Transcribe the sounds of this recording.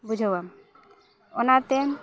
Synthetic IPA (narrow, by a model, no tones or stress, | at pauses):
bud͡ʒʱaam | onat̪e